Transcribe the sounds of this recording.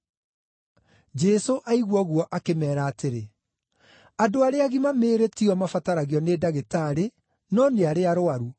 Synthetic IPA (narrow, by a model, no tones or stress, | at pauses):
d͡ʒɛsoʔaiɣwɔɣwɔʔakemɛːɾaːteɾe | adoaɾeaɣimameːɾetiɔmafataɾaɣiɔnedaɣetaɾe | nɔneaɾeaɾoaɾu